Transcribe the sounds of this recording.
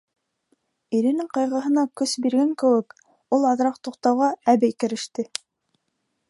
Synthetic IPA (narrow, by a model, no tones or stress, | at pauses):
iɾɘ̆nɘɴqɑjʁɤ̆ɦɤ̆nɑkɵsbiɾɡæŋkɘ̆wɘk | ulˠɑðɾɑq̚t̪uqt̪ɑwʁɑæβɘkɘ̆ɾɘ̆ʃt̪ɘ